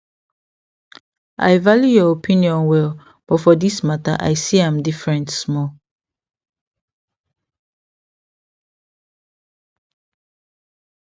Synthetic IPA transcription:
a̰jvaljujɔopʰĩniɔ̃nwɛl | b̥ɔtfɔdismata̰ʔa̰jsiãmdifɹɛ̃ntsmɔl

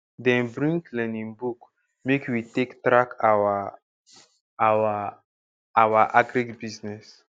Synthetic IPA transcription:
dɛ̃nbɾĩŋklɛ̃nĩnbuk | mekwitektɾakawa | awa | awaʔaɡɾikbiznɛs

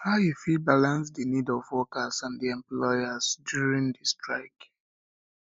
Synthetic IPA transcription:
haʊjufid̚balãnsdinidɔvɔkasãndiɛ̃mplɔjazdjuɹĩndistɹaɪk

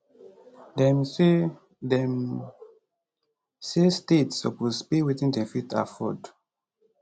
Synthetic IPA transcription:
dɛ̃m | dɛ̃m | sestetsɔ̰puspewitĩndɛ̃mfitʰa̰fɔd

